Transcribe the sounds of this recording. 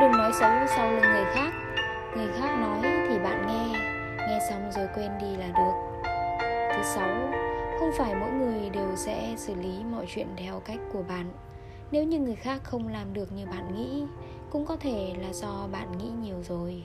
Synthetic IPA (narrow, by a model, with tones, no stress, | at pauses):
ɗɨ˨˩nɔ˨˦jsə˨˦wsa˧wlə˧ŋɨ˨˩əjxaː˦˥k̚ | ŋɨ˨˩əjxaː˦˥k̚nɔ˨˦jt̪ʰi˨˩ɓa̰ː˧˨nŋɛ˧ | ŋɛ˧sa˧wŋ͡mzo˨˩jkwe˧nɗi˧laː˨˩ɗɨ˨˩ək̚ | t̪ʰɨ˨˦sa˨˦wxə˧wŋ͡mfaː˧˩jmo̰˧˥jŋɨ˨˩əjɗe˨˩wsɛ̰˧˥sɨ˧˩li˨˦mɔ̰˧˨jt͡ɕwḭ˧˨ənt̪ʰɛ˧wka˦˥jk̟̚kːu˧˩əɓa̰ː˧˨nː | e˨˦wɲɨ˧ŋɨ˨˩əjxaː˦˥kxə˧wŋ͡mlaː˨˩mɗɨ˨˩ək̚ɲɨ˧ɓa̰ː˧˨nŋḭ˧˥ | kʊ̰˧˥ŋ͡mkɔ˨˦t̪ʰe˧˩laː˨˩zɔ˧ɓa̰ː˧˨nŋḭ˧˥ɲi˨˩əwzo˨˩j